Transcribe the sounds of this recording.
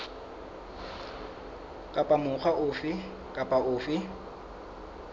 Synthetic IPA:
kʼapʼamʊχaʔʊfɪ | kʼapʼaʔʊːfɪ

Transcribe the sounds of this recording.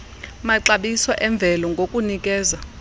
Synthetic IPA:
maǀaɓisɔʔɛɱb̪vʱɛlɔŋɡʱokʼunik̬ʼɛːza

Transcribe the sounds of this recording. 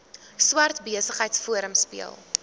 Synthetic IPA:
swɐrtbiəsəχəjtsfuəɾəmspḭə̰lˠ

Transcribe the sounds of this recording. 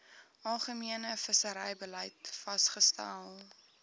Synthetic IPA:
ʔɐlˠχəmiənəfəsəɾɛjbəlɐjtfɐstχəstæ̰lˠ

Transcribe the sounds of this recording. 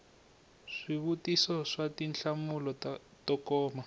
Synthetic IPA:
ʂiβutisɔʂatinɬamulɔtɔkɔːma

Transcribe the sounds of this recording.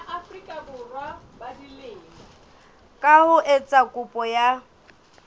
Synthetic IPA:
aʔafrikʼabʊrwa | badileːŋɔ | kʼahʊʔɛt͡sʼakʼʊpʼɔja

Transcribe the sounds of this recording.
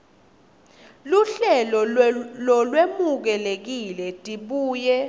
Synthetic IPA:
luɬɛlɔlɔlwemuk̬ɛlek̬ilɛtʼiɓuːjɛ

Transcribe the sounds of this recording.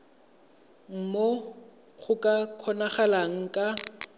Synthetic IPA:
m̩mo | ɣʊkʼakʰɔnaχalaŋ̩kʼa

